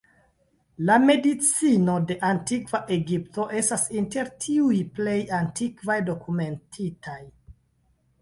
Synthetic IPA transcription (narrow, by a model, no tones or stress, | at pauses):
lame̞dit͡sino̞de̞ʔantikvaʔe̞ɡipto̞ʔe̞stasinte̞ɾtʰiujple̞jantikvajdo̞kume̞ntʰitʰaj